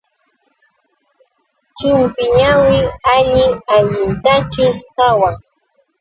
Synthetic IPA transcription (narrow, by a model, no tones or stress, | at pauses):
t͡ʃɪmpɪɲawɪaʎɪaʎɪnt̪at͡ʃɪskawaŋ